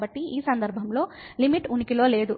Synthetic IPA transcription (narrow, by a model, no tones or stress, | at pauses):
bɐʈːiiːsɐnd̪ɐɾbʱɐmlo̞ː | limiʈunikilo̞ːle̞ːd̪u